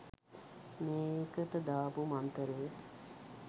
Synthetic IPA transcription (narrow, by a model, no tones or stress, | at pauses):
meːkəʈ̪əd̪aːpumant̪əɾeː